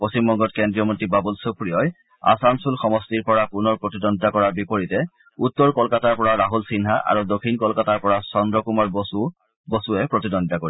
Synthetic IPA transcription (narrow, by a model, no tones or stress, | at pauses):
post͡ɕimbɔŋɡɔtkendɹijɔmontibabulsopɹijɔj | a̰sansulxɔmɔstiɹpɔɹapunɔɹpɹotidɔndakɔɹaɹbipoɹitɛ | utːɔɹkɔlkataɹpɔɹaɹaɦulsinɦaʔa̰ɹudokʰːinkɔlkataɹpɔɹasɔndɹɔkumaɹbsu | bosuɛpɹotidɔndakoi